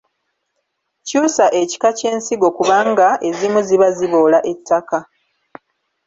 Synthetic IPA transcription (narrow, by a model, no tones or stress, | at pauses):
cuːsaʔe̞ci̥kace̞ːnsiɡo̞kuβaːŋɡaʔe̞zimuziβaziβoːlaʔe̞tʰːaka